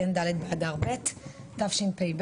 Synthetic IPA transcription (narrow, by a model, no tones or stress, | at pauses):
end̪aled̪̚bead̪aʁbet̪ːafʃinpejb